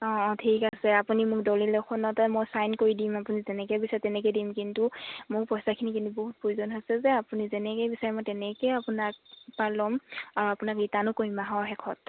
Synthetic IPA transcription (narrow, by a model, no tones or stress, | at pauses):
ɔ̃tʰikasɛapunimʊk̚dɔlilɔkʰɔnɔtamojsajnkoɹidimapunizɛnɛkɛjbisaɹɛtɛnɛkɔjdimkintumʊɹpɔjsakʰinikintuboɦut̚pɹozɔnɦojsɛzɛapunizɛnɛkɛjbisaɹɛmojtɛnɛkɛjapunak̚palɔmaɹuapunakitanʊkoɹimaɦɔɹɦɛkʰɔt̚